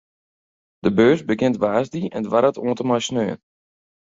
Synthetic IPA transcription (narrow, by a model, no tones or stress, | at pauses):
d̥əbøːsbəɡɪntʋaːzdiɛ̰ndʋaɾətoəntəmajsnøːən